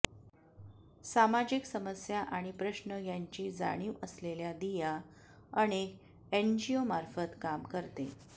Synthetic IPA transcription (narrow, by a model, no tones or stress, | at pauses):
samad͡ʑiksəməsjaʔaɽ̃ipɾəɕnəjaɲt͡ɕiːd͡za̰ɽ̃iːʔəsleljad̪ija | əñek | end͡ʑiomaɾfət̪kamkəɾt̪e